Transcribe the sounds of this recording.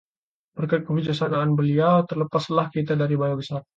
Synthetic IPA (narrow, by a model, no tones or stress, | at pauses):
b̥ərkajt̪̚kəfid͡ʒasanaːnbəliawt̪ərləpaslahkit̪adaɾibajabəsar